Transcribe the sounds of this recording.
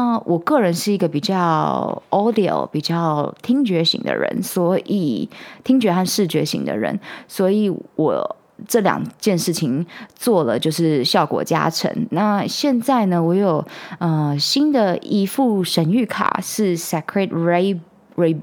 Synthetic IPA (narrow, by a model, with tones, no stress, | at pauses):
a˥˩wʔɔ˨˩kɤ˥˩ɻə˧˦nʂɻ̩˥˩i˧˥ɡə˧pi˨˩t͡ɕjɑ˥˩ɔ˥d̪i˨o̰˨lpi˨˩t͡ɕjɑ˥˩ʊt̪ʰi˥ŋt͡ɕɥɛ˧˥ɕḭ˧˥ŋd̪ə̰˧ɻə̰˧˥nswɔ˧˥ʔi˨˩t̪ʰi˥ŋt͡ɕɥɛ˧˥xa˥˧nʂɻ̩˥˩t͡ɕɥɛ˧˥ɕḭ˧˥ŋd̪ə̰˧ɻə̰˧˥nswɔ˧˥i˨˩˦wʔɔ̰˨˩ | ʈ͡ʂɤ˥˩ljɑ̰˨˩ŋt͡ɕjɛ˥˧nʂɻ̩˥˩t͡ɕʰi˩ŋt͡swɔ˥˩lə̰˨t͡ɕjo˥˧ʊʂ̬ɻ̩˥˩ɕjɑ˥˩ʊkwɔ̰˨˩t͡ɕja̰˥ʈ͡ʂʰə̰˧˥ŋna˥˧ɕjɛ˥˧nt͡sa˥˩ɪnə˩wɔ˧˥jo˨˩ʊə˧ɕi˥nd̪ə˨i˥fu˥˩ʂə˧˥ny˥˩kʰa̰˨˩ʂɻ̩˥˩sɛ˥kʰɹɛ˥˩te˧˥ | ɹe˧˥ɪ